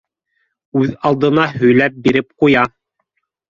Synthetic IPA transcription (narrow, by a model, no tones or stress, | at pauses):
ʉðɑlˠd̪ɤ̆nɑɦɵ̆jlæp̚biɾɘp̚qujɑ